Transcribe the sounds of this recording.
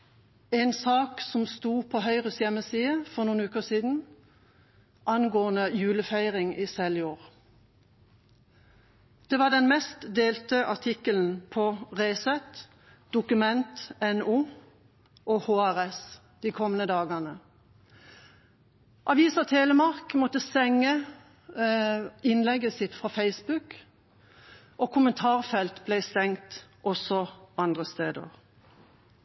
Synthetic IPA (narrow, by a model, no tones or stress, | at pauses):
eɪnsɑːksɔmst̪uːpʰoːhœʏʁəsjɛməsiːəfɔʁnuːnʉːkəʁsiːd̪n̩ | ʔɑnɡoːənəjʉːləfæɪʁɪŋiːsɛljuːʁ | d̪̥eːʋɑːd̪ɛnmɛst̪d̪eːlt̪əʔɑt̪ʰɪkəln̩pʰɔʁeɪsɛt̪ | d̪̥ʊkʉmɛnt̪ɛnuː | ʔɔhoːæʁɛs | d̪̥ikʰɔmːənəd̪ɑːɡənə | ʔɑʋiːsɑt̪ʰeːləmɑʁkmɔt̪ːəsɛŋːə | ɪnlɛɡəsɪt̪fʁɑːfeɪsbʉk | ʔɔkʰʊmənt̪ʰɑːʁfɛlt̪blɛɪst̪ɛŋt̪ʔɔsɔɑnd̪ʁəst̪eːd̪ə̰ʁ